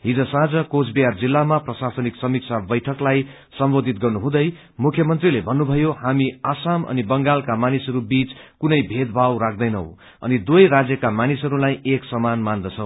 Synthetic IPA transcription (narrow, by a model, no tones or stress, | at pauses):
ɦid͡zʌsãd͡zʌkot͡sʰbijard͡zilːamaprʌsasʌniksʌmik̚sʰabʌjʈʰʌklaj | sʌmbod̪ʱit̪̚ɡʌrnuɦũd̪ʌj | mukʰjʌmʌnt̪rilebʱʌnːubʱʌjohamiasamʌ̰nibʌŋɡalkamanisʌɾubit͡skunʌjbʱed̪̚bʱawɾak̚ʰd̪ʌjnʌw | ʌ̰nid̪ujɾad͡zjʌkamanisʌɾulajeksʌmanmand̪ʌt͡sʰʌ̃w̃